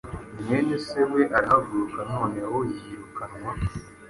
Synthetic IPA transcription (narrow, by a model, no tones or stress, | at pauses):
mɲeneseweʔaɾihaɡuɾukano̞ːneawojiɾukanŋwa